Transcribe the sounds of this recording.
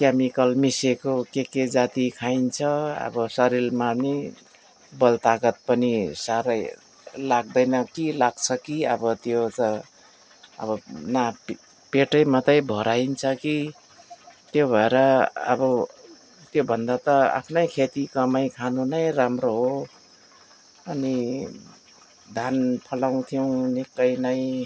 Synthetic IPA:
kjamikʌlmisekokeked͡zat̪ikʰajnt͡sʰʌʌ̰bʌsʌɾilmani | bʌlt̪aɡʌt̪̚pʌnisaɾʌj | laɡ̚d̪ʌjnʌkilaɡ̚t͡sʰʌkiʌbʌt̪jot͡sʌ | ʌ̰bʌnap | peʈʌjmʌt̪ʌjbʱʌɾaint͡sʰʌki | t̪jobʱʌeɾʌʌ̰bʌ | t̪jobʱʌnd̪at̪ʌa̰pʰnʌjkʰet̪ikʌmʌjkʰanunʌjramroɦo | ʌni | d̪ʱanpʰʌlaw̃t̪ʰijow̃nikːʌjnʌj

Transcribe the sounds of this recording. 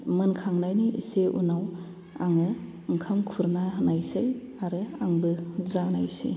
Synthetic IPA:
mɯnkʰaŋnajniʔḭseʔṵnaw | aŋɯ | ɯŋkʰamkʰuɾnanajsej | aɾɯaŋbɯzanajsḭ

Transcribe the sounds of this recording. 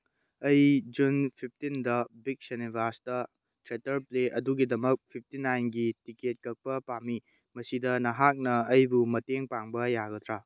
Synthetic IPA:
ɐjd͡ʒunpʰip̚ʰtindɐbik̚senibʱaɾsdɐ | tɾetɐɾpleʔɐduɡidɐmɐk̚pʰip̚ʰtinajnɡitiket̚kɐk̚pɐpami | mɐsidɐnɐɦak̚nɐɐjbumɐteŋpaŋbɐjaɡɐt̪ʰɾa

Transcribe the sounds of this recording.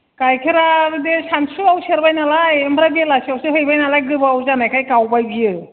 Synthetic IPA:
kajkʰeɾaɾdesansuawseɾbajnalajembʰɾabielasawseɦojbajnalajɡɯbaawzanajkʰajkawpajbijɯ

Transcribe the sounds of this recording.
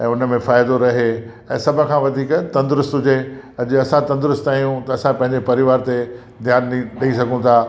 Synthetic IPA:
ɛ̃ːʊn̆mẽfaːɪd̪oɾɐɦe | ɛ̃ːsɐbʱʊ̆kʰãːʋɐd̪ʱiːkt̪ɐ̃nd̪ɾʊst̪ɦʊd͡ʑeɐd͡ʑɐsãt̪ɐ̃nd̪ɾʊst̪aːijũt̪ɐɐsãpɐ̃ɦɪ̃ɲd͡ʑepɐɾɪʋaːɾt̪e | d̪ʱjaːnɗiɗɐisɐɡʱũt̪ʰaː

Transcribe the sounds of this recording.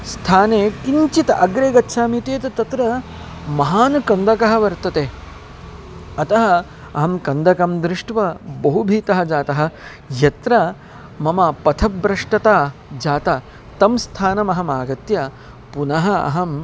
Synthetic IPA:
st̪ʰaːneːkiɲt͡ʃit̪ɐɐɡɾeːɡɐtːʃʰaːmit̪eːt̪ɐt̪ɐt̪ɾɐ | mɐɦaːnɐkɐnd̪ʱɐkɐɦɐ̆ʋɐɾt̪ɐt̪eː | ɐt̪ɐɦɐ | ɐɦɐmkɐnd̪ʱɐkɐmd̪ɾɪʂʈʋɐbɐɦubʱiːt̪ɐɦɐ̆d͡ʒaːt̪ɐɦɐ̆ | jɐt̪ɾɐ | mɐmɐpɐt̪ʰɐbɾɐʂʈɐt̪aːd͡ʒaːt̪a | t̪ɐmst̪ʰaːnɐmɐɦɐmaːɡɐt̪jɐ | punɐɦɐɐ̰ɦɐm

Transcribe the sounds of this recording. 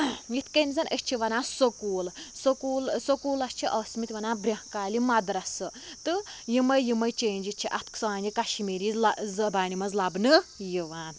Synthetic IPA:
jit̪kɐnzɐnʔɐst͡ʃʰiʋɐnaːsɐkuːlsɐkuːlsɐkuːlɐst͡ʃʰiʔɐsmit̪ʲʋɐnaːbɾʲɐhkaːlimɐd̪ɾɐsɨ | t̪ɨjimɐjjimɐjt͡ʃeːnd͡ʒit̪̚t͡ʃʰiʔɐt̪ʰksɐaːnikɐʃimiɾizlɐzɐbaːnimɐzlɐbnɨjiʋaːn

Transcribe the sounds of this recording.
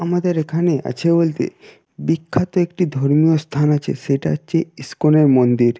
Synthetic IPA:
amad̪eɾekʰanea̰t͡ɕʰebolt̪ḛ | bikʰːat̪oek̚ʈid̪ʱoɾmiost̪ʰanat͡ɕʰḛʃeʈa̰at͡ɕʰeiskoneɾmond̪iɾ

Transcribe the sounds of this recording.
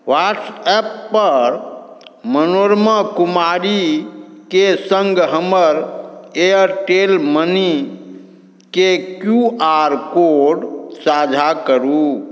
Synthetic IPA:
waʈsɛpːəɾ | mənoɾməkumaɾikesəŋɡɦəməɾeəɾʈelməni | kekjuaɾkoɖsad͡ʒʱakəɾu

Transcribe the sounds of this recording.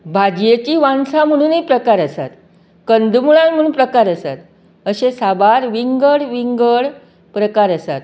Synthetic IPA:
bʱad͡ʑjet͡ɕiːʋansam̤əɽ̃uːnɦipɾəkaɾəsa̰t̪ | kənd̪muɭãnm̤əɽ̃uːnpɾəkaɾəsat̪ | əɕesabaɾʋiŋɡəɭʋiŋɡəɭ | pɾəkaɾəsa̰t̪

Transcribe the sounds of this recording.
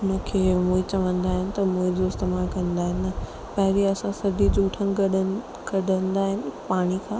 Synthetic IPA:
ʊnəkʰeːmũːɦɪ̃t͡ɕɐʋə̃nd̪aːɦɪnɪ̆t̪ɐmũːɦɪ̃d͡ʑoɪst̪emaːlkɐ̃nd̪aːɦɪnɪ̆ɐ | pɐɦɪɾiɐsãsɐdid͡ʑuːʈʰənɪɡɐɗə | ɡɐɖʱə̃nd̪aːɦɪnɪ̆paːɽ̃ikʰãː

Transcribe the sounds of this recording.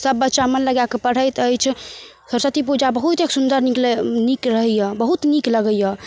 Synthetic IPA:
səbːətːʃamənləɡjakepəɽ̤əjt̪əjt͡ʃʰ | səɾsət̪ip̬ud͡ʒabəɦut̪eksund̪əɾniklenikɾəɦəjəbəɦut̪nikləɡəjə

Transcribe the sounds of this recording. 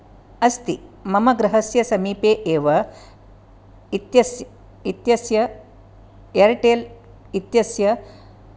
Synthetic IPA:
ɐst̪imɐmɐɡɾɐɦɐsjɐsɐmiːpeːʔeːʋɐ | t̪jɐj | it̪jɐsjɐ | jɐɾʈeːl | it̪jɐsjɐ

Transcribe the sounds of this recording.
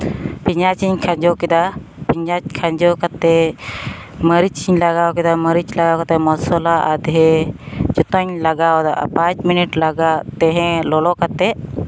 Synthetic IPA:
pʰiɲat͡ʃiɲkʰãd͡ʒɔkɛd̪a | pʰiɲat͡ʃkʰaɲd͡ʒɔkat̪ɛ | məɾit͡ʃiɲlaɡawkɛd̪aməɾit͡ʃlaɡawkat̪ɛmɔsɔlaʔad̪ɦɛd͡ʒɔt̪ɔɲlaɡawd̪aʔa̰pãt͡ʃminiʈlaɡat̪ɛ̃ɦɛ̃lɔlɔkat̪ɛʔ

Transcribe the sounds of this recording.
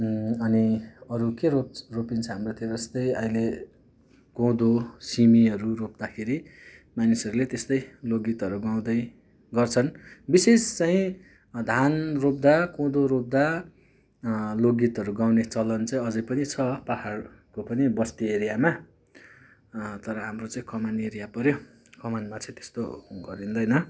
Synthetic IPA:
ʌniʌɾukeroropint͡sʰʌɦamrot̪ʰiod͡zʌst̪ʌjʌĩle | kõwd̪osimiʌɾurop̚d̪akʰeɾimanisʌɾulet̪est̪ʌjloɡit̪ʌɾuɡaw̃d̪ʌj | ɡʌrt͡sʰʌnbisest͡saĩ | d̪ʱanrop̚d̪akõwd̪oɾop̚d̪a | loɡit̪ʌɾuɡaw̃net͡sʌlʌnt͡saĩʌd͡zʌjpʌnit͡sʰʌpahar | kopʌnibʌst̪ieɾijama | t̪ʌɾʌɦamrot͡saĩkʌmaneɾijapʌɾjo | kʌmanmat͡saĩt̪e̥st̪o̰ɡʌɾind̪ʌjnʌ

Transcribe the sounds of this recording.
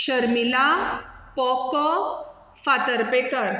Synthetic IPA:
ɕəɾmilapɔkɔ | fat̪əɾpekəɾ

